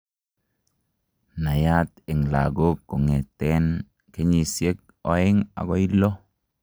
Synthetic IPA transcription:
na˨jat̪e˨ŋla̰ɡo˦kːo˨ŋe˨t̪en | ke˦ɲi˨se˦k̚ | o˨eŋa̰˨ɡo˦i˦lo˦

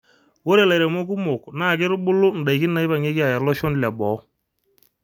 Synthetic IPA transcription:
wo˦ɾe˨la˨ɾe˨mo˦k̬u˦mʊ˨kna˦˨kɪ˦ɾbʊ˦lʊ˦n̩˨da˨i˨kɪ˦n˦na˨ɪ˦βa˨ŋe˦kɪ˦a˨ja˨lɔ˦ʃɔ˦n˨la˨bɔ˨˦

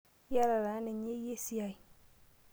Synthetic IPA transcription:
ja˦ɾa˨ɾa˨˦nɛ˨ɲe˦je˦si˦a˨i˨

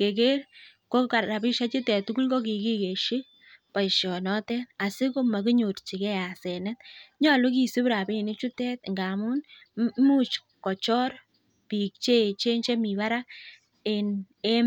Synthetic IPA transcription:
ke˨ke˦ɾ | ko˦ka˨a˨pi˦ʃa˦t͡ʃi˦tɛ˨tu˦ku˦lko˦ki˨ki˦ke˨ʃi˦ | pa˨jʃjɔ˨nɔ˦tɛ˦na˨sɪ˦ko˦ma˨ki˦ɲo˨ɾt͡ʃi˨kɛ˦a˨sɛ˨nɛ˦t̪̚ɲɔ˦˨lʊ˦ki˨si˦pɾa˨pi˦˨ni˦t͡ʃu˦tɛ˦tŋɡa˨mu˦n | mu˦t͡ʃ | kɔ˨t͡ʃɔ˦ɾ | pi˨k̚t͡ʃe˦˨t͡ʃe˦nt͡ʃe˦mi˨βa˦ɾa˦ | e˨n | e˦

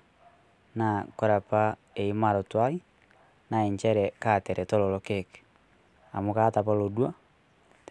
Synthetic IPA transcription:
na˨ko˨ɾa˨pa˦ | e˨i˦ma˨ɾo˨twa˦i˦ | na˨e˨ɲt͡ʃɛ˦ɾɛ˨katɛ˨ɾɛ˨to˦lo˨lo˦keke̥ | a̰˨mo˨ka˦ta˨pa˦lo˨dwa˦

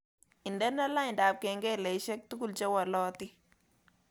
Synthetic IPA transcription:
ɪ˨ndɛ˦na˦la˦ɪ˨nda˨p̚kɛ˨ŋɡɛ˦lɛ˨jʃɛ˦k̚tu˦ku˦lt͡ʃɛ˦wa˨lɔː˦tɪ˦

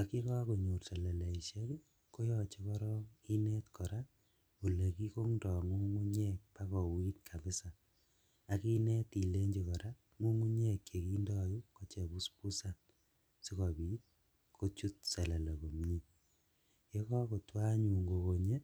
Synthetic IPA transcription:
a˨ki˦kɔ˦ko˨ɲu˨rsɛ˨lɛ˨lɛ˨i˨ʃe˦k | ko˦jɔ˦t͡ʃe˦kɔ˦ɾɔ˦ŋi˦nɛ˦tkʰɔ˨ɾa | u˨le˨ki˦ko˦ŋndɔ˨ŋu˦ŋu˦ɲɛ˦k̚pa˦kɔ˨wi˦tkʰa˨bɪ˦sa˨ | a˨ki˦nɛ˦ti˨le˦ɲd͡ʒi˨kɔ˨ɾa˦ | ŋu˦ŋu˦ɲe˦kje˨ki˦ndɔ˦ju˦kɔ˦t͡ʃɛ˨bu˦spu˦sa˨n | si˦kɔbi˦t̚ | kʰo˦t͡ʃu˦t̚sɛ˨lɛ˨lɛ˨ko˨mɲi˦ | je˦kɔ˦ko˨twa˦ɲu˨ŋɡo˨ko˨ɲe˦

